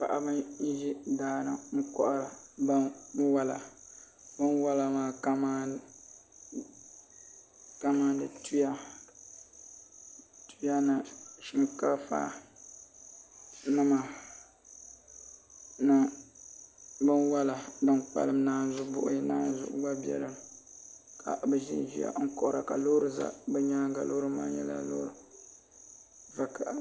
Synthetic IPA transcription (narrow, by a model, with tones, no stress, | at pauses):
pa̰˨ʔa̰˨bɨ˦nji˦hi˦daː˦nɨ˦ŋ̩˦kɔ̰˦˨ʔa˦la˨ba˦wa˦la̰˨ | bɨ˦nwa˦la˨maː˨ka˦ma˦ | ka˦ma˦n˦dɨ˨tu˦ja˦ | tu˦a˦na˨ʃi˦mka˦fa̰ː˨ | nɨ˦ma˨ | nɨ˦ | bɨ˦nwa˦la˨bɨ˦nk͡pa̰˦lɨ˦mnaː˦n˦zʊ˦bʊ˦ʔʊ˦ji˦naː˦n˦zʊ̰˨ʔʊ̰˦ɡ͡ba˦bi˦ɛ̰˨lɨ˦m˨ | kʰa̰˨bɛ˨ʒɪ̰˦nʒi˦ja̰˨ŋ̩˦kɔ˨ʔɾa˨ka˨lo˦ɾɨ˨za̰˦bɛ˦ɲaː˦ɡa˨lo˦ɾɨ˦ma̰ː˦ɲɛ˦la̰˦lo̰˦ɾɨ˨ | va˨kʰa˨ʔa˨